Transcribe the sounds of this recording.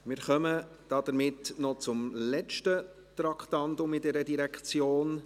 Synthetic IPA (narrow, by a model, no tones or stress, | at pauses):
mɪːɾχœmə | d̥ɑdəɾmɪtnɔt͡sʊmlɛt͡ʃtə | t̪ɾɑkʰtɑntʊmidɛɾədiɾɛkt͡sjoːn